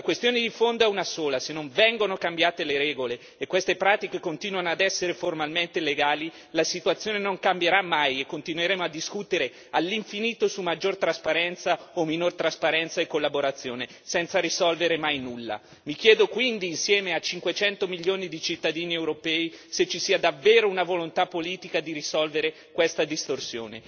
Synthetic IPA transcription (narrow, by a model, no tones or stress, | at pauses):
lakwest̪joːned̪ifond̪oɛunasoːlasenːoɱvɛŋɡonokambjaːt̪eleɾɛːɡoleːkːwest̪epɾaːt̪ikekont̪iːnuanoad̪ɛsːeɾeformalment̪eleɡaːli | lasit̪uat̪sːjoːnenoŋkambjeɾamːajekːont̪inweɾeːmoad̪ːiskut̪eɾe | alːiɱfiniːt̪osumːad͡ʒːort̪ɾaspaɾɛnt̪saominort̪ɾaspaɾɛnt̪saekːolːaboɾat̪sːjoːne | sɛnt̪saɾisɔlveɾemajnulːa̰ | mikjɛːd̪okwind̪iːnsjɛːmeat͡ʃiŋkwet͡ʃɛnt̪omiʎːoːnid̪it͡ʃit̪ːad̪iːniɛewɾopɛːiset͡ʃːisiːad̪avːeːɾounavolont̪apːoliːt̪ikad̪iɾisɔlveɾe | kwest̪ad̪ist̪orsjo̰ːnḛ